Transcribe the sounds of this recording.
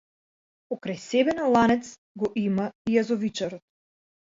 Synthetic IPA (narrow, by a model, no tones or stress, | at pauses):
pɔkɾajsɛbɛnalˠanɛt̪s | ɡɔʔimaijazɔvit͡ʃaɾɔt̪̚